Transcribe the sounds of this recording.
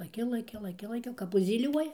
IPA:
lˠɐˈkʲɪ lˠɐˈkʲɪ lˠɐˈkʲɪ lˠɐˈkʲɪ kɐp ʊʒʲzʲiːˈlʲuɔjɛ

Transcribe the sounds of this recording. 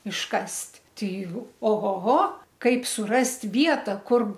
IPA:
ɪʃˈkɐsʲtʲ ˈtʲɛɪ oː ˈɣoː ˈɣoː ˈkɐɪp sʊˈrɐsʲtʲ ˈʋʲiɛtɐ ˈkʊr

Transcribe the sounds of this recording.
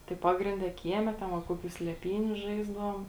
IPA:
tɐɪ ˈpɑːɡrʲɪnʲˌdʲɛ ˈkʲiɛˌmʲɛ tʲɛn ʋɐ ˈkoːˌkʲuː sʲlʲɛˈpʲiːnʲʊ ˈʒɐɪzdɐʋoːm

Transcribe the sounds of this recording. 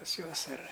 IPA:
pɐs ˈjuɔs ɐr

